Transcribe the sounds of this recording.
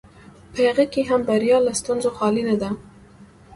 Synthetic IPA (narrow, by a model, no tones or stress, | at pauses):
pʰeɣɛkiɦambaɾijɑːləst̪unzoxɑːlined̪a